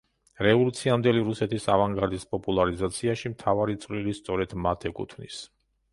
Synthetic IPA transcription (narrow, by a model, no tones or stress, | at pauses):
ɾɛvɔlut̪sʰiamd̪ɛliɾusɛt̪ʰisavaŋɡaɾd̪ispʼɔpʼulˠaɾizat̪sʰiaʃimt̪ʰavaɾit̪sʼvlilist̪sʼɔɾɛd̪̥mat̪ʰɛkʼṵt̪ʰvnḭs